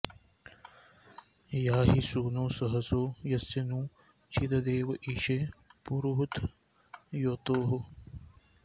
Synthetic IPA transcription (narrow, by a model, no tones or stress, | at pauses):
jaːɦisuːnoːsɐɦɐsoːjɐsɐnũː | t͡ʃʰid̪ɐd̪eːʋʔiʃepuɾuɦut̪ʰ | jot̪oːɦo